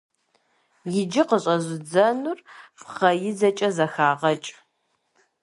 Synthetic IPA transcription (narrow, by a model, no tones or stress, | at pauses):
jɪd͡ʒɪqəɕʼɐzʷɪd͡zɐnʊrfχɐjɪd͡zɐt͡ʃʼɐzɐxaːʁɐt͡ʃʼ